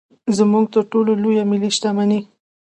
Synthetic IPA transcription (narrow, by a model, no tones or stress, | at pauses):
zəmuɡ̚t̪əɾʈololojamɪliʃt̪amani